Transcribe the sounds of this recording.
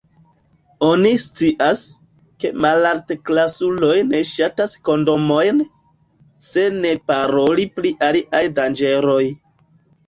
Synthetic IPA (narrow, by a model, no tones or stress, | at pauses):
o̞nist͡siʔas | ke̞malaɾteklasulo̞jne̞ʃatasko̞ndo̞mo̞jn | se̞ne̞paɾo̞lipliʔaliʔajdand͡ʒe̞ɾo̞j